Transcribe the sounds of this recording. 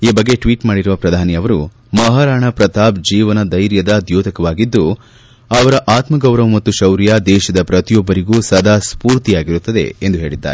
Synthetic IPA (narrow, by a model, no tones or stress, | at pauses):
iːbɐɡːe̞ʈʋiːʈmaːɽiɾuʋɐpɾɐd̪ʱaːniɐʋɐɾu | mɐɦaːɾaːɳɐpɾɐt̪aːbd͡ʒiːʋɐnɐd̪ɐjɾjɐd̪ɐd̪joːd̪ʱɐkɐʋaːɡid̪ːu | ɐʋɐɾɐʔaːt̪mɐɡɐwɾɐʋmɐt̪ːuʃɐwɾjad̪ɛːʃɐd̪ɐpɾɐt̪ijɔbːɐɾiɡuːsɐd̪ʱaːspuːɾt̪ijaːɡiɾut̪ːɐd̪e̞̰end̪uɦe̞ːɭid̪ːa̰ːɾe